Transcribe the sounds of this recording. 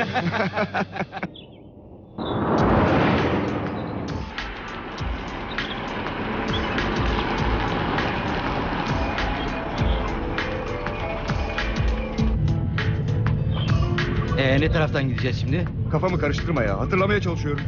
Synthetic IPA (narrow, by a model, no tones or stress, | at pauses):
ɛnɛt̪ʰaɾaft̪ʰanɟid̪ed͡ʒɛsʃimd̪ɪ | kʰafamɯkʰaɾɯʃt̪ʰɯɾmaja̰ɦat̪ʰɯɾlˠamajat͡ʃʰalˠɯʃɯjoɾum